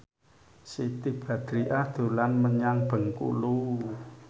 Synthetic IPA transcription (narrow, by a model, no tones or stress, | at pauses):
sit̪ib̥a̤d̪̥ɾiʔahd̪̥o̤lanməɲaŋb̥ə̤ŋkṵlu